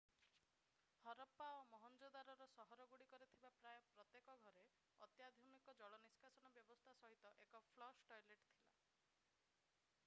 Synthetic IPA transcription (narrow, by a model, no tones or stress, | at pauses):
hɔɾɔpaomɔɦɔnd͡ʒod̪aɾɔɾɔsɔɦɔɾɔɡuɽikɔɾit̪ʰibapɾajɔpɾɔt̪jekɔɡʱɔɾe | ɔt̪jad̪ʱɔmikɔd͡ʒɔɭɔniskasɔñɔbjɔbɔst̪ʰasɔɦit̪ɔʔekɔpʰlɔʃʈɔjleʈt̪ʰila̰